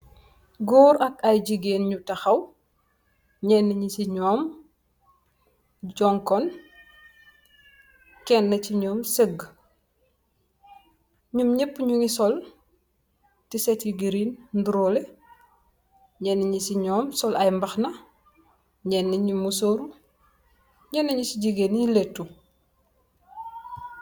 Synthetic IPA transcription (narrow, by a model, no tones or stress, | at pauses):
ɡɔːɾɐkɐjɟiɡeːnɲutɐxɐw | ɲɛnːəɲisiɲɔːm | d͡ʒɔŋkɔn | kɛnːɐciɲɔːmsəɡ | ɲumɲəpːɲuŋisɔl | tisɛtjiɡiɾiːnnduɾɔle | ɲɛnːiɲisiɲɔːmsɔlɐjmbɐxnɐ | ɲɛnːiɲumːusoːɾu | ɲɛnːɐɲusiɟiɡeniletːu